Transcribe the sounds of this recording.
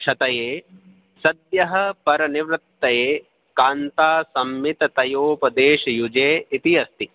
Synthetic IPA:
ʂɐt̪ɐjeː | sɐd̪jɐɦɐ̆pɐɾɐniʋɾɪt̪ːɐjeː | kaːnt̪aːsɐmjit̪ɐt̪ɐjoːpɐd̪eːʃɐjud͡ʒeːit̪iɐst̪i

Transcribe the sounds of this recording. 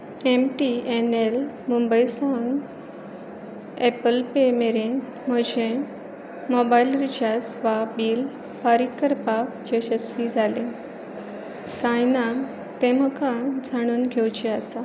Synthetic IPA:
emʈienel | mumbəjsaŋɡ | epəlpemeɾen | m̤əd͡ʑe | mɔbailɾit͡ɕasʋabiːl | pəɾikːəɾpakd͡ʑeɕəspid͡zʱalẽ | kãjna | t̪em̤əkad͡zʱaɽ̃uːnɡʱewt͡ɕeasa

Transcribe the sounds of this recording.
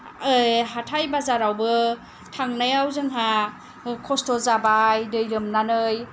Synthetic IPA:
ɯjɦatʰajbazaɾawbɯ | tʰaŋnajawzɯŋɦa | kʰɔstɔzabajdɯjɾɯmnanɯj

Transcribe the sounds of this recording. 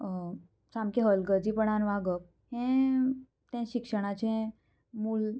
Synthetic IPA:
samkeɦəlɡəd͡zipəɳ̃anʋaɡək̚ | hɛ̃ | t̪ɛ̃ɕikʂəɽ̃at͡ɕẽ | muːl

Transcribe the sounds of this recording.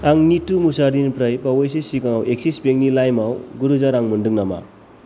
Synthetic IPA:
aŋnitumusaɾd̪inpɾajpawojs̬esikaŋawʔek̚sisbeŋnilajmawɡuɾuzaɾaŋmɯndɯŋnama̰

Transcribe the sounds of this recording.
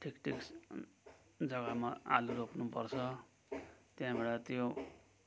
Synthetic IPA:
ʈʰikʈʰiks | d͡zʌɡamaa̰luɾopnupʌrt͡sʰʌ | t̪jãbʱeɽat̪jo

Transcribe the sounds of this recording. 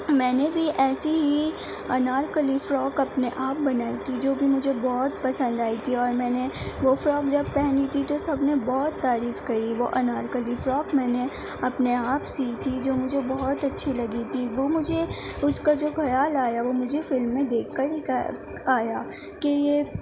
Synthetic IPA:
mɛ̃ːnebʱiʔɛːsiɦi | ɐnaːɾkəlifɾɔːkɐpneʔaːp̚bɐnaːit̪ʰid͡ʒoːbʱimʊd͡ʒʱebɔɦɔt̪pɐsə̃nd̪aːit̪ʰiɔːɾmɛ̃ːneʋofɾɔːkd͡ʒɐb̚pɛɦnit̪ʰit̪osɐbnebɔːt̪ːaːɾiːfkɐɾiʋo̰ʔɐnaːɾkəlifɾɔːkmɛ̃ːne | ɐpneaːpsiːt̪ʰid͡ʒoːmʊd͡ʒʱebɔɦɔt̪ɐtːʃʰilɐɡit̪ʰiʋomʊd͡ʒʱe | ʊskad͡ʒoːxɐjaːlaːjaʋomʊd͡ʒʱefɪlmːẽd̪eːkʰːɐɾi | aːja | kejeː

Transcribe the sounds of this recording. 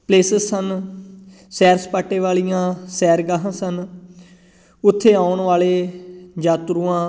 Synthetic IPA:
pleːsəzsən | sɛːɾspaːʈːẽːʋaːlijãːsɛːɾɡaːɦãːsən | ʊt̪ʰːeːaːʊɳʋaːleːd͡ʒaːt̪ɾuːãː

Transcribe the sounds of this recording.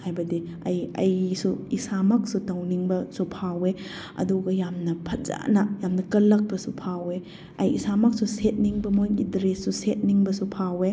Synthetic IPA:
hajbɐdi | ɐjɐjsuisamɐk̚sutɐwniŋbɐsupʰawe | ɐ̰duɡɐjamnɐpʰɐza̰nɐjamnɐkɐlːɐk̚pɐsupʰawe | ɐjḭsamɐk̚suset̚niŋbɐmojɡidɾesːuset̚niŋbɐsupʰawe

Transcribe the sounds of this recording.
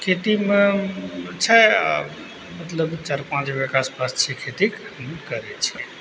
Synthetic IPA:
kʰet̪ime | t͡ʃʰɛa̰ | mət̪ləbt͡ʃaɾpãt͡ʃbekaspast͡ʃʰɛkʰet̪ikhəmekəɾɛt͡ʃʰɛ

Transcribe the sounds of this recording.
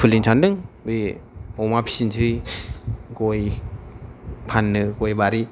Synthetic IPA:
pʰɯliŋt͡ʃʰandɯŋbeɔmapʰsind͡ʒʰɯj | ɡɔj | pʰanːɯɡɔjbaɾi

